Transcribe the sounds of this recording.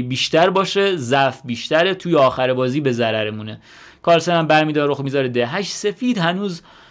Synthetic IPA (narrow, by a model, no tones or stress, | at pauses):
biːʃt̪æɾbɒːʃe̞zæfbiːʃt̪æɾet̪ʰuːjeɒːxæɾebɒːziːbe̞zæɾæɾemune | kʰɒːɾsenæmbæɾmiːd̪ɒɾoxmiːzɒɾed̪eɦæʃse̞fiːd̪hænuːz